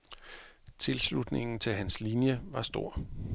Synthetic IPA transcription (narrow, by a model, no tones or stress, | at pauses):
t͡sʰe̝lslud̥ne̝ŋn̩t͡sʰe̝lɦænslinjəʋɑ̈sd̥o̝ɐ̰